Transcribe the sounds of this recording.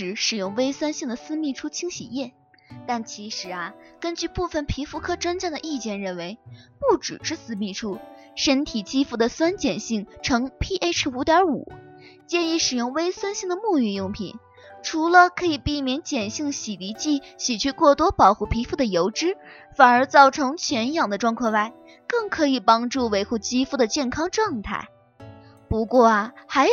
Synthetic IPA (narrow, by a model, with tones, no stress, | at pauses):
ɻ̩˧˥ʂɻ̩˨˩jʊ˥˩ŋwe˥ɪswa˥nɕi˥˩ŋd̪ə˩sɹ̩˥mi˥˧ʈ͡ʂʰu˥t͡ɕʰi˥ŋɕi˨˩jɛ˥˩n | t̪a˥˩nt͡ɕʰi˧˥ʂɻ̩˧˥ɐ˧kə˥nt͡ɕy˥˧pu˥˩fə˨˩npʰi˧˥fu˥˧kʰɤ˥ʈ͡ʂwə˥nt͡ɕjɑ˥˩d̪ə˩ʔi˥˧t͡ɕjɛ˥˩nɻə˥˩nwe˧˥ɪpu˥˩ʈ͡ʂɻ̩̰˨˩ʈ͡ʂɻ̩˥sɹ̩˧˥mi˥˩ʈ͡ʂʰu˥ | ʂə˥nt̪ʰi˨˩t͡ɕi˥fu˥˩d̪ə˩swa˥nt͡ɕjɛ˨˩nɕi˥˩ŋʈ͡ʂʰɤ˧˥ŋpʰi˥ʔe˥ɪʈ͡ʂʰu˧˥t̪jɑ˧˥ṵ˨˩˦t͡ɕjɛ˥˧ni˧˥˩ʂɻ̩˨˩jʊ˥˩ŋwe˥ɪswa˥nɕi˥˩ŋd̪ə˩mu˥˧y˥˧jʊ˥˧ŋpʰḭ˨˩˦n | ʈ͡ʂʰu˧˥lə˧kʰɤ˧˥i˨˩pi˥˩mjɛ˧˥nt͡ɕjɛ˨˩nɕi˥˩ŋɕi˨˩li˧˥t͡ɕi˥˩ɕi˨˩t͡ɕʰy˥˧kwɔ˥˩t̪wɔ˥pɑ˨˩ʊxu˥˩pʰi˧˥fu˥˩d̪ə˩jo˧˥ʊʈ͡ʂɻ̩˥fa˨˩nə˞˧˥t͡sɑ˥˩ʊʈ͡ʂʰɤ˧˥ŋt͡ɕʰɥɛ˧˥njɑ˨˩ŋd̪ə˦ʈ͡ʂwɑ˥ŋkʰɤ˥˧wa˥˩ɪ | kɤ˥˩ŋkʰɤ˧˥i˨˩pɑ˥ŋʈ͡ʂu˥˩we˧˥ɪxu˥˩t͡ɕi˥fu˥˩d̪ə˩t͡ɕjɛ˥˩nkʰɑ˥ŋʈ͡ʂɤ˥˧ŋt̪ʰa̰˥˩ɪ | pu˧˥kwɔ˥˩ɐ˩xa˧˥ɪ